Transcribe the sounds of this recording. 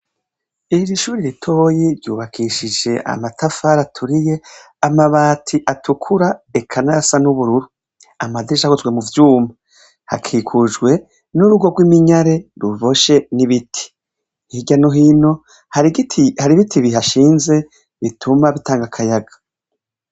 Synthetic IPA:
iɾiʃuːɾiɾitʰo̞ːjiɾɟṵːβakʰiʃid͡ʒe̞ʔa̰matafaɾatʰuɾije̞ | amaβaːtʰiʔatʰukʰuɾaekʰanasanuβuɾuɾu | amadiɾiʃakuzɡwe̞muvjuːma | ha̰kʰikʰud͡ʒɡwe̞ | nuɾuɡo̞ɡwimiɲaɾe̞ɾuvo̞ʃe̞niβitʰi̥ | hiɟanoɦiːno̞ | hatihaɾiβitʰiβiɦaʃiːnze̞ | βitʰumaβitaːŋɡakʰajaɡḁ

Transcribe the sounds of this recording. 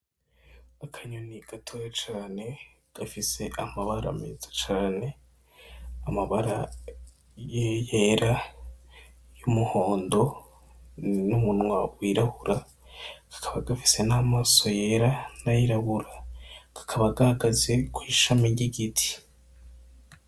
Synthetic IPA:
akʰaɲoniɡ̥atʰojat͡ʃaːne̞ | ɡ̥afise̞ʔamaβaɾa̰mḛzat͡ʃaːne̞ | amaβaɾa | jejeːɾa | jumuho̞ːndo̞ | numunwaɡwiɾahuɾa | ɡ̥ḁkʰaβaɡafi̥se̞naːmaːso̞je̞ːɾanajiɾaβuɾaɡ̥ḁkʰaβaɡahaɡaze̞kwiːʃamiɟiɡitʰi̥

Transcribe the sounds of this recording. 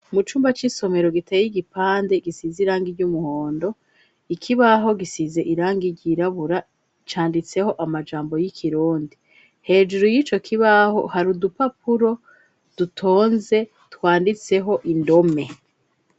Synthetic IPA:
mut͡ʃuːmbat͡ʃiso̞me̞ɾo̞ɡitejjiɡipaːnde̞ɡisiziɾaːŋɡiɾɟumuho̞ːndo̞ | ikʰiβaɦo̞ɡisize̞ʔiɾaːŋɡiɟiɾaβuɾa | t͡ʃaːndit͡se̞ho̞ʔamad͡ʒaːmbo̞jikʰiɾuːndi | he̞ːd͡ʒuɾujiːt͡ʃo̞kʰiβaɦo̞̰haɾudupapuɾo̞ | d̥utʰo̞ːnze̞ | twaːndit͡se̞ɦo̞ʔindo̞me̞

